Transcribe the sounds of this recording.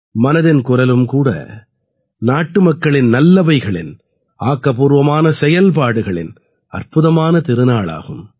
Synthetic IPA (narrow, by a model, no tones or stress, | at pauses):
mɐnɐðɪnkʊɾɐlɯmkuːɽɐ̰ | naːʈːɯmɐkːɐɭɪnnɐlːɐbɐɪɣɐɭɪ̰n | aːkːɐpuːɾʋɐmaːnɐsɛjɐlp̬aːɽɯɣɐɭɪ̰n | ɐ̰rpʊðɐmaːnɐt̪ɪɾɯnaːɭa̰ːɣɯm